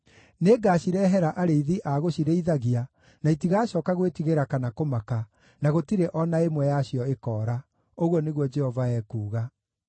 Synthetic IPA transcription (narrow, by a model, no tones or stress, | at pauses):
neːɡaːɕiɾɛɦɛɾaʔaɾeiðiʔaɣoɕiɾeiðaɣia | naitiɣaːɕɔːkaɣwetiɣeɾakanakomaka | naɣotiɾeʔɔnaemwɛjaɕiɔekɔːɾa | oɣwɔneɣwɔd͡ʒɛhɔvaɛːkuːɣa